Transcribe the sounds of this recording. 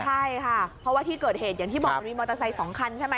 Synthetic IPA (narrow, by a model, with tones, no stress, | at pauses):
t͡ɕʰa˥˩jjkʰa˥˩pʰɾɔ˦˥waː˥˩t̪ʰiː˥˩kɤː˨˩t̪̚heː˨˩t̪̚ja˨˩ŋt̪ʰiː˥˩bɔː˨˩˧nmiː˧mɔː˧t̪a˧sa˧jsɔː˩˦ŋkʰa˧nt͡ɕʰa˥˩jma˦˥